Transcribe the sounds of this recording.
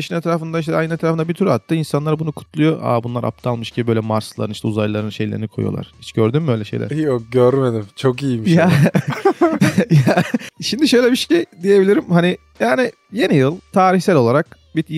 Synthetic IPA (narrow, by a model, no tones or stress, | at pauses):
eʃinɛt̪ɾaːfɯnd̪aiʃ̬t̪ɛajnɯnɛt̪ɾaːfɯnd̪abit̪ʰyɾat̪ʰːɯinsanlˠaɾbunukʰu̥t̪ʰlˠujo̞ʔa̰bunlˠaɾʔa̰p̚t̪ʰɯalˠmɯʃcʰibbøjlʲɛmaɾslˠa̰ɾɯniʃt̪ɛuzajlˠaɾɯnʃe̞jlʲeɾinikʰoj̰o̰lˠa̰ɾ̥hit͡ʃɟøɾd̪ymbø̞jlʲɛʃe̞̰jlʲæ̰oɟøɾmed̪imt͡ʃʰokijimiʃja | jaʃimd̪iʃø̞jlʲemiʃcid̪ije̞bilʲiɾimhani | jaːɾni | je̞nijɯlˠt̪ʰaːɾiçsælʲolˠaɾak̚ | biɾ